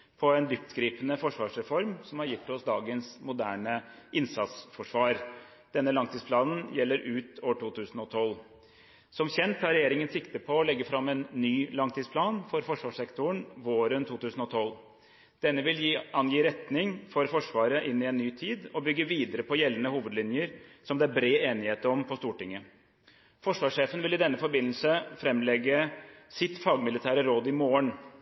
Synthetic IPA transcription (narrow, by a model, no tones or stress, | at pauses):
pʰɔɛnd̪ʏft̪ɡɾiːpənəfɔʂʋɑːʂɾɛfɔɾmsɔmhɑɾjɪt̪ːɔsd̪ɑːɡənsmʊd̪æːɳəʔɪnsɑt̪sfɔʂʋɑːɾ | d̪̥ɛnːəlɑŋt̪iːspʰlɑːnn̩jɛlːəɾʉːt̪oːʈʰuːt̪ʰʉːsn̩ɔt̪ʰɔl | sɔmçɛnt̪ʰːɑːɾɛjeːɾɪŋənsɪkt̪əpʰɔːlɛɡːəfɾɑmːɛnːyːlɑŋt̪ʰiːsplɑːnfɔɾfɔʂʋɑːʂɛkt̪ʊəɳʋoːɾənt̪ʰuːt̪ʉːsən̩ɔt̪ʰɔl | d̪̥ɛnːəʋɪljiɑnjiːɾɛt̪nɪŋfɔɾfɔʂʋɑːɾəʔɪnːɪɛnːyːt̪ʰiːd̪ɔbʏɡːəʋiːd̪əɾəpʰɔjɛlːənəhuːʋəd̪lɪnjəɾsɔmd̪ɛæɾbɾeːeːnɪheːt̪əɔmpʰɔst̪uːʈɪŋːə | fɔʂʋɑːʂeːfənʋɪlɪd̪ɛnːəfɔɾbɪnəlsəfɾɛmlɛɡːəsɪt̪fɑːɡmɪlɪt̪ʰæːɾəɾoːd̪ɪmoːəɳ